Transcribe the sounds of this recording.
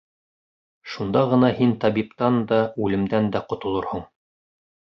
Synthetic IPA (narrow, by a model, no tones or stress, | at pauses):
ʃund̪ɑʁɤ̆nɑhint̪ɑbipt̪ɑnd̪ɑʉlɘ̆md̪ænd̪æqŏt̪ŏlˠoɾhoɴ